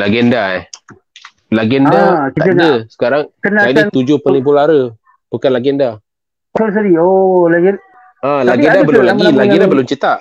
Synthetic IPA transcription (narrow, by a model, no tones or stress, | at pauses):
laɡɛnda | laɡɛnakit̪əŋdəsə̥kaɾaŋkənaadit̪ud͡ʒʊhpənibulaɾə | bukanlaɡɛnda | os̬aɾiolaɡɛn | alaɡɛndabəlʊmlaɡilaɡɛndabəlʊmt͡ʃit̪aʔ